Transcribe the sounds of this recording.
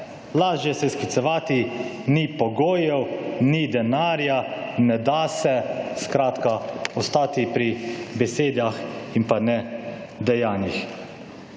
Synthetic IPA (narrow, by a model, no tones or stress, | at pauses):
laːʒjɛsɛskit̪sɛʋaːt̪i | nipɔɡoːjɛwnid̪ɛnaːɾjanɛd̪asɛskɾaːt̪kaɔst̪aːt̪ipɾibɛseːd̪jaximpanɛ | d̪ɛjaːnix